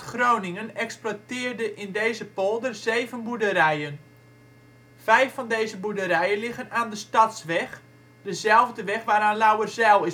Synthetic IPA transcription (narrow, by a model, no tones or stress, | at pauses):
χrownɪŋənɛksplatɪːrdəʔɪndejzəpɔlˠdərzejvənbudəɾɛjən | v̥ɛjfːɑndejzəbudəɾɛjənlɪɣənaːndəstɑtsʋɛx | d̥əzɛlˠvdəʋɛχʋaːɾaːnlawərzɛlˠɪ